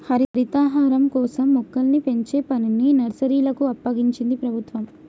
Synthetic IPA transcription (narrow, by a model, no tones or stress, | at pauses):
hɐɾiɾit̪aːɦaːɾɐmkɔːsɐmːukːɐlnipe̞ɲt͡ʃeːpɐnininɐɾsɐɾiːlɐkuɐpːɐɡiɲt͡ʃind̪ipɾɐbʱut̪ʋɐm